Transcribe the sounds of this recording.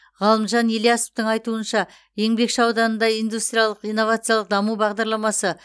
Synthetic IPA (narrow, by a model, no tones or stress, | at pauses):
ʁɑlˠəmʒɑneljaso̥pt̪əɴɑjt̪uənʃɑ | je̞ŋbe̞kʃəɑwd̪ɑnənd̪ɑijnd̪ust̪ɾʲijalˠəqijnːo̞vat̪sɨjalˠəq̚d̪ɑmubɑʁd̪ɑɾlˠɑmɑsə